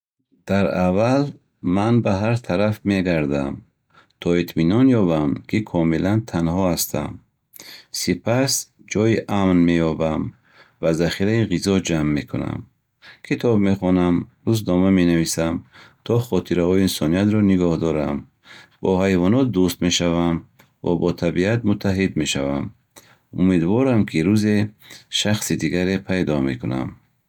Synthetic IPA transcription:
d̪̥aɾaval | manbaɦaɾt̪ʰaɾafme̞ɡaɾd̪a̰m | t̪ʰɔit̪ʰminɔnjɔbamkʰikʰɔmilant̪ʰanhɔast̪ʰa̰m | sipʰasd͡ʒɔjiʔamnme̞jɔbam | vazaχiɾaiʁizɔd͡ʒamːe̞kʰuna̰m | kʰit̪ʰɔbme̞χɔnamduznɔmame̞navisamt̪ʰɔχɔt̪ʰiɾahɔiinsɔniat̪ɾɔniɡɔhd̪ɔɾam | b̥ɔɦajvɔnɔt̪̚d̪ust̪me̞ʃavam | va̰bɔt̪ʰabiat̪mut̪ʰːaɦid̪me̞ʃavam | umed̪vɔɾamkʰiɾuze̞ʃaχsid̪iɡaɾe̞pʰajd̪ɔme̞̰kuna̰m

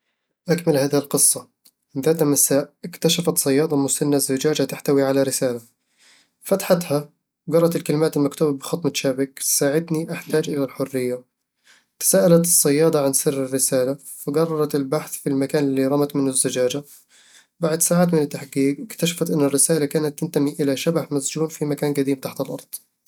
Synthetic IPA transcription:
ʔakmalhaːðɪhɪlqɨsˤːɑ | ɪðaːt̪hmasaːʔʔɪkt̪aʃafat̪sˤɑjːɑːd̪ˤɑmʊsanːazːad͡ʒaːd͡ʒat̪aħt̪awiʕalaɾɪsaːla | fat̪ḁħat̪ha | wɡɑrˤːɑt̪ɪlkalɪmaːt̪ɪlmakt̪uːbabɪxɑt̪ˤmaʃaːbɪksaːʕɪd̪niʔaħt̪aːd͡ʒʔɪlalħʊrːɪjːa | t̪ḁsaːʔalat̪ɨsˤːɑjːɑːd̪ˤɑʕansɪrːɪrːɪsaːla | wɪɡɑrˤːɑɾˤɑt̪ɪlbaħθfilmakaːnɪlːiɾˤɑmat̪mɪnʊzːad͡ʒaːd͡ʒa | baʕd̪saːʕaːt̪mɪnɪt̪ːaħɡiːɡʔɪkt̪aʃḁfat̪ʔɪnːɪrːɪsaːlakaːnat̪ːɪnt̪amiʔɪlaʃabaħmazd͡ʒuːnfimakaːnɡad̪iːmt̪aħt̪ɪlʔɑ̰ɾˤd̪ˤ

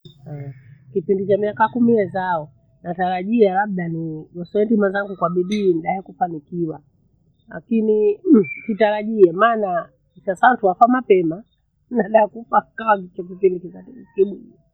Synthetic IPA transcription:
awkipindit͡ʃamiakakumiɛzaɔ | nataɾaʄialaɓ̚ɗaniɡɔsɛɛndimazaŋɡukwaɓiɗiːniɗahɛkufanikiwa | la̰kinikitaɾaʄiɛmaːna | isasaantuwafamapɛma | naɗahɛkufakawat͡ʃak̬ipindikikatikiɓuɗi

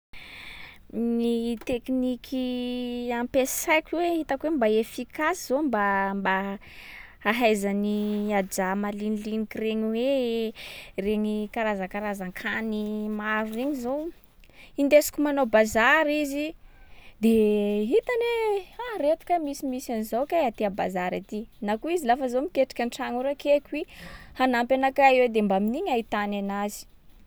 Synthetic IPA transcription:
nit̪eknikʰi | ampesajkʲiweɦit̪akwembaefikasizombamba | aɦajzaniad͡ʒamalinilinikireɲiwe | reɲikaɾazakaɾazaŋkʰanimaɾueɲizow | ind̪esi̥kʲumanobazaɾizi | d̪eɦit̪anearet̪u̥kamisimisanizowkaat̪eabazaɾat̪inakuizilafəzomikeʈ͡ʂḁkʲanʈ͡ʂaŋuɾakekwihanampʲanakaiwed̪embaminiɲait̪ananazi̥

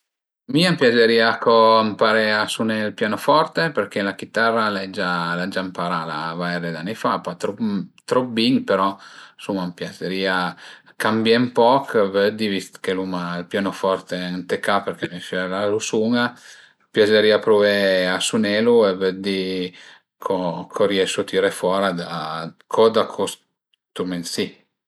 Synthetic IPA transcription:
miampjad͡ʒeɾiːakʰoampaɾɛasunelpjaːnofɔrt̪epeɾkelak̟it̪arːalɛd͡ʒalad͡ʒampaɾala̰vaɛɾed̪anːifapat̪ɾɔt̪ɾɔbiŋpeɾɔsumampjat͡ʃeɾiːa | kambjɛmpɔkvød̪ivist̪kelumalpjanofɔɾt̪eant̪ekapeɾkemɛfɛlalusuŋa | pjaseɾiːapɾuveasunɛːluevəd̪i | kʰokʰɔɾjɛʃut̪ʰiɾefwɔːɾad̪akʰɔd̪akʰos | t̪umensi

